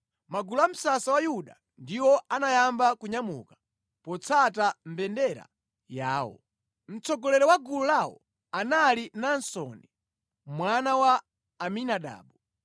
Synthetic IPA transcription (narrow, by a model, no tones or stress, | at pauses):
maɡulam̩sasawajuɗa̰ | ndiwɔʔanajambakuɲamṵkḁ | pɔt͡sʰatam̩bɛndɛɾa̰ | jaːwɔ̰ | m̩t͡sʰɔɡɔlɛɾɛwaɡululawɔ̰ | analinansɔ̰ni | mwanawaː | minaɗa̰ːɓu